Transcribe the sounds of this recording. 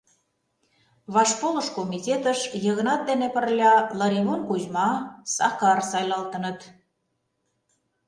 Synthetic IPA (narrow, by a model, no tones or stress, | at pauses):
βɑʃpolə̆ʃkomitʲet̪əʃjə̆ɣənɑt̪̚d̪enepə̆rlʲɑlɑɾimonkuʑmɑsɑkɑrsɑjlɑlt̪ə̆nə̆t̪